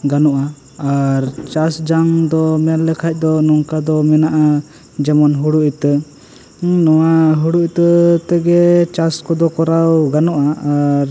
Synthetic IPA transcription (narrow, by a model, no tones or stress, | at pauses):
ɡanɔʔaː | ɾt͡ʃasd͡ʒaŋd̪ɔmɛllɛkʰac̚ˀd̪ɔnɔŋkad̪ɔmɛnaʔa | d͡ʒɛmɔnɦuɽuʔit̪ə | nɔwaɦuɽut̪ət̪ɛɡɛt͡ʃaskɔd̪ɔkɔɾawɡanɔʔaːɾ